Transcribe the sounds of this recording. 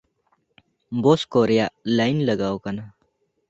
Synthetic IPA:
boːskoːɾijaːlaːinlɐɡaːokɐna

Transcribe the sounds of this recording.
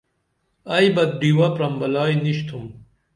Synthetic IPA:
ɐjbɐd̪̚ɖiwɐpɾɐmbɐlaːjniɕt̪ʰum

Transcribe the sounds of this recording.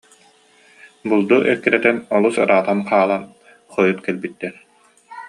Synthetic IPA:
bulˠd̪uʔɛkiɾɛt̪ɛnɔlˠusɯɾaːt̪amqaːlˠan | χɔjut̪kɛlbit̪ːɛɾ

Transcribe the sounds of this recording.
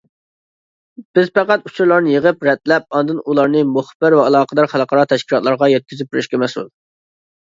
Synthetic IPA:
b̥ɪzpæqæt̪ut͡ʃʰuɾlˠɑɾnɨjəʁəpɾɛt̪̚lɛp̚ɑnd̪ɨnulˠɑɾnɨmoχb̥ɪɾvɛɑlˠɑːqʰəd̪ɑɾχɑlˠqʰɑɾɑːt̪ʰɛʃkʲʰilˠɑt̪lˠɑɾʁɑjɛt̪̚kʲyzɪp̚bɪɾɪʃkʲɛmɛsṵlˠ

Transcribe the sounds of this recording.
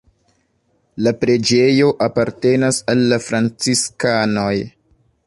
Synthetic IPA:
lapɾe̞d͡ʒe̞jo̞ʔapaɾte̞nasalːafɾant͡siskano̞j

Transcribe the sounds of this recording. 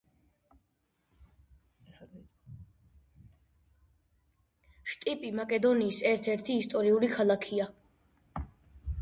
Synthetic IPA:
ʃt̪ʼipʼimakʼɛd̪ɔniːsɛɾt̪ʰɛɾt̪ʰiːst̪ʼɔɾiuɾikʰalˠakʰia

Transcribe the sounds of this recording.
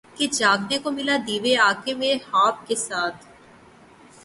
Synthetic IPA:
ked͡ʒaːɡnekomɪlad̪iːʋeaːkeʋehaːp̚kesaːt̪ʰ

